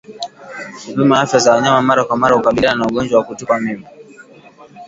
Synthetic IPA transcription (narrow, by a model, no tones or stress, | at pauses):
vimaafjazawaɲamamaɾakwamaɾahukaɓiliananauɠɔnd͡ʒwawakutɔkamimi